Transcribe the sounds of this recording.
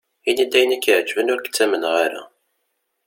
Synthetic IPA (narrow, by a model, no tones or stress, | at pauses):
inid̪æjənækːiʕd͡ʒvənʊɾkə̥t͡sːæmənʁaɾa̰